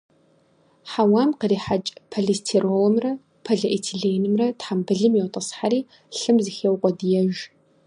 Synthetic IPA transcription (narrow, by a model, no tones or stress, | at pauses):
ħawaːmqəriːħat͡ʃʼpʰɐɮistʰirowmrɐ | pʰɐɮɐʔitʰiɮeːjnɨmrɐtħambɨɮɨmjɛwtʼɐsħaɾiː | ɬɨmzɨxeːwqʷʼɔdijɛʒ